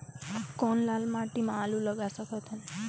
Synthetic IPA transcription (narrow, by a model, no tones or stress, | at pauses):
kɔnlalmãʈimãːluləɡasəkʰɔt̪ʰən